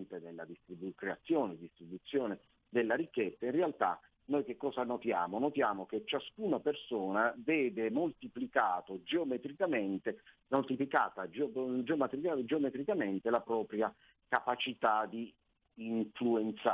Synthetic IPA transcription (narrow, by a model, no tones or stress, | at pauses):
nt̪enelːad̪ist̪ɾibukɾeat̪sːjoːned̪ist̪ɾibut̪sːjoːne | d̪elːaɾikːet̪sːainrealt̪a̰ | nojkekːɔːsanot̪jaːmonot̪jaːmoket͡ʃːaskunapersoːnavɛːd̪emolt̪iplikaːt̪od͡ʒeomɛt̪ɾikament̪e | molt̪iplikaːt̪ad͡ʒd͡ʒeomɛt̪ɾiad͡ʒeomɛt̪ɾikament̪elapɾɔːpɾja | kapat͡ʃit̪ad̪iː | ɱfluent̪sa